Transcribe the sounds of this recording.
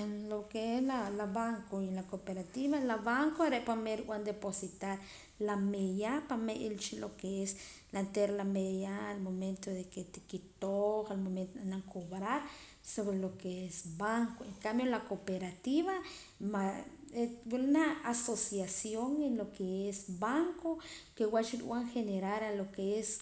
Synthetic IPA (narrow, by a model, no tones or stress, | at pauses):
enlokeelalaβaŋkoilakopeɾat̪iβalaβaŋkoaɾeʔpameɾwwand̪eposit̪aɾ | lamejapameʔelt͡ʃilokees | lant̪eɾlamejaːlmoment̪oðeket̪ikit̪oχalmoment̪oanaŋkʰoβɾaɾ | soβɾelokeesbaŋkoeŋkambjolakopeɾat̪iβa | maewulnaːsosjasjoŋenlokeesbaŋkokewat͡ʃiɾ̰w̰ʷaŋxeneɾaɾalokees